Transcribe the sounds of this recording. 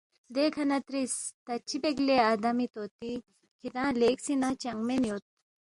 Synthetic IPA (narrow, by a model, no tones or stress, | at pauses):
d̪ekʰɐnɐt̪ɾist̪ɐt͡ʃʰːibeɡlead̪ɐmit̪ot̪i | kit̪ãleksinat͡ʃɐŋmenjot̪̚